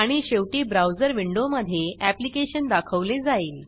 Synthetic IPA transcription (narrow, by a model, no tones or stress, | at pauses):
aɽ̃iɕeʋʈiːbɾawd͡zəɾʋiɳɖoməd̪ʱːjeʔæplikeɕənd̪akʰəʋled͡zail